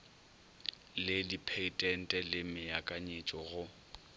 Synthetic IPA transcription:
lɪdipʰeitʼɛn̩tʼɛlɪmɪjakʼaɲet͡ʃʼɔɣʊ

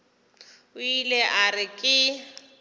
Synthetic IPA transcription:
ʊileʔarɪkʼɪ

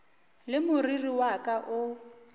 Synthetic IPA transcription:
lɪmʊririwakʼaʔʊ

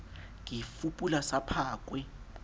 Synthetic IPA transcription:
ŋifupʼulasapʰaːk̬ʼwɛ

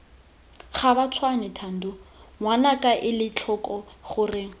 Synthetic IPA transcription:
χabat͡sʰwanɛtʰan̩dʊŋwanakʼaʔɪlɪt͡ɬʰɔkʼɔχʊrɪ

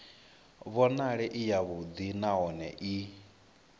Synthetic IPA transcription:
βɔnaɺɛʔijaβud̪inaɔnɛ̰ʔi

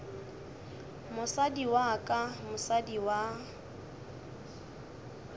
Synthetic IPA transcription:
mʊsadiwakʼamʊsadiwa

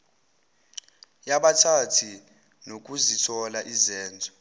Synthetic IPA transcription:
jaɓatʰatʰi | nok̬ʼuzitʰɔlaʔizɛːnd͡zʱɔ

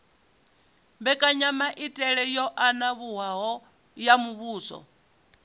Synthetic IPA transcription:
mbɛkʼaɲamaʔitʼɛɺɛjɔʔanaβuɦaɦɔ | jamuβuːsɔ̰

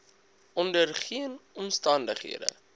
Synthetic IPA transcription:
ʔɔndərχiənɔmstɐndəχɦḭədə̰

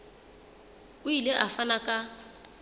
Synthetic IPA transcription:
ʊileʔafanakʼa

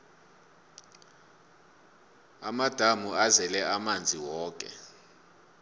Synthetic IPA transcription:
amad̥ʱamuazɛlɛʔamand͡zʱiwɔːkʼɛ̰

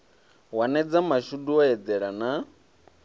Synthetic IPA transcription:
wanɛd͡zamaʃuduɔɛd͡z̪ɛɺana

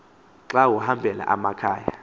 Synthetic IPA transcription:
ǁawuhambʱɛla̰ʔamakʰaːja

